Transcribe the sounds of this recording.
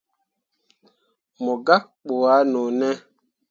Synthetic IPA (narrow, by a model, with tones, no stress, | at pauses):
mɔ˨ɡa˦k̚k͡po˨a˨˦nɔ˨nɛ˦